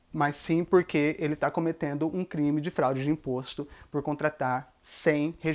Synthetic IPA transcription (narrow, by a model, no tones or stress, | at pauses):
mɐsĩpoɾkeelɪt̪akõmet̪ẽnd̪ʊʔũkɾĩmɪd͡ʒɪfɾawd͡ʒɪd͡ʒɪĩpost̪ʊpoɾkõt̪ɾat̪aɾ | sẽj̃he